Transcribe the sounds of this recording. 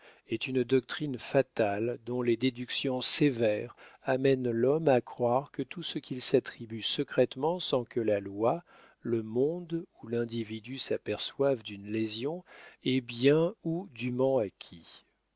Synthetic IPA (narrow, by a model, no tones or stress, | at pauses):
ɛt̪ynd̪ɔk̚t̪χinfat̪ald̪ɔ̃led̪ed̪yksjɔ̃sevɛʁamɛnlɔmakχwaʁkət̪usəkʲʰilsat̪χibysəkχɛt̪mɑ̃sɑ̃kəlalwa | ləmɔ̃d̪ulɛ̃d̪ivid̪ysapɛʁswavd̪ynlezjɔ̃ɛbjɛ̃ud̪ymɑ̃akʲʰi